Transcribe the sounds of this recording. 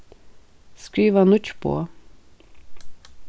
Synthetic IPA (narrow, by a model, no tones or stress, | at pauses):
skɹiːʋənʊt͡ʃpʰo̰ː